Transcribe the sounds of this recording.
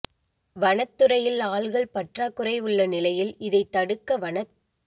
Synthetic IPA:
ʋɐɳɐt̪ːɯɾɐjɪlaːɭɣɐɭpɐʈraːkːɯrɐɪʊɭːɐnɪlɐjɪlɪðɐɪt̪ːɐɽɯkːɐʋɐɳɐ

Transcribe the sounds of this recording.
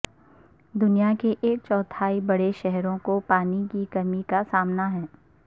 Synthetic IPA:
d̪ʊnijakeʔeːk̚t͡ʃɔːt̪ʰaːibɐɽeʃɛɦɾõkopaːnikikɐmikasaːmnaɦɛ̃ː

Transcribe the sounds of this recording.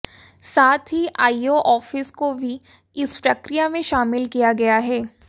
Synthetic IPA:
saːt̪ʰɦiʔaːioʔɔːfɪskobʱi | ɪspɾɐkɾijamẽʃaːmɪlkijaɡɐjaɦɛː

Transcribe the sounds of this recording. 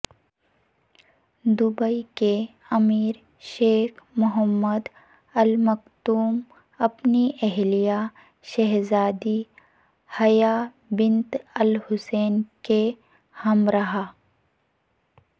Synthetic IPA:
d̪ʊbəike | ɐmiːɾ | ʃeːkmʊɦəmːəd̪ | ɐlmɐkt̪uːm | ɐpniʔɛɦlija | ʃɛɦzaːd̪i | hɐja | bɪ̃nt̪ɐlhʊseːnke | hɐmɾɐɦaː

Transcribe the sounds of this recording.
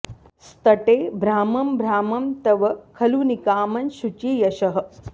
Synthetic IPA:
st̪ɐʈeːbʱɾaːmɐmbʱɾaːmɐmt̪ɐʋɐkʰɐlunikaːmɐnʃut͡ʃiːjɐʃɐɦə̆

